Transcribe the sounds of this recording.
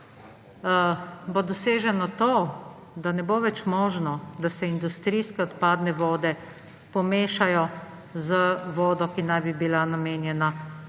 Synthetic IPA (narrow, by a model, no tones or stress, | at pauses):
bod̪ɔseːʒɛnɔt̪o | d̪anɛboːʋɛt͡ʃmɔːʒnɔd̪asɛind̪ust̪ɾiskɛɔt̪paːd̪nɛʋɔːd̪ɛ | pɔmeːʃajɔ | zəʋɔːd̪ɔkinajbibilanameːnjɛna